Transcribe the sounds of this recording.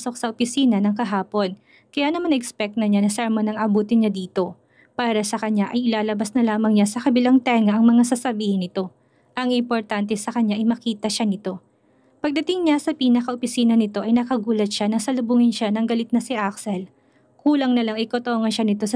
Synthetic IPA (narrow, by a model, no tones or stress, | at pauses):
so̞k̚sɐʔopɪsiːnɐnɐŋkɐɦaːpo̞n | kɐjaːnɐmanʔɛkspɛk̚t̪̚nɐɲanɐsɛɾmɐnɐŋɐbuːt̪ɪnɲad̪iːt̪o̞ | paːɾɐsɐkɐɲaʔɐjɪlaːlɐbasnɐlaːmɐŋɲasɐkɐbɪlaŋt̪ɛŋɐʔɐŋmɐŋasasɐbiːhɪnɪt̪o̞ | ʔɐŋɪmpoɾt̪ant̪ɛsɐkɐɲːaʔɐjmɐkiːt̪ɐʃanɪt̪o̞ | pɐɡ̚d̪ɐt̪ɪŋɲasɐpiːnɐkɐʔopɪsiːnɐnɪt̪o̞ʔɐjnɐkɐɡuːlɐt̪̚ʃanɐŋsɐlʊbʊŋɪnʃanɐŋɡɐlɪt̪̚nɐsɪʔaksɛl | kuːlɐŋnɐlɐŋɐjkot̪oŋɐnʃanɪt̪o̞sɐ